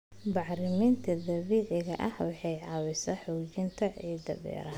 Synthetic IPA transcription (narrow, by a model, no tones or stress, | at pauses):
bɑʕɾɪmint̪ʰɐd̪ɐβiːʕɪɣɐʔɐhwɑħɑjʕɑːwɪsɐħuːt͡ʃɪnt̪ʰɐʕiːd̪ɐ̰βɛ̰ːɾɐ